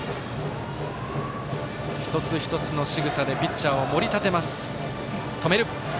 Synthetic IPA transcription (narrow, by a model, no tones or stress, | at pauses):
çi̥t̪o̞t͡sɨçʲi̥t̪o̞t͡sɨno̞ɕiɡɯ̟sad̪e̞pʲit͡ɕao̞mo̞ɾʲit̪at̪e̞masɨ̥ | t̪o̞meɾɯ̟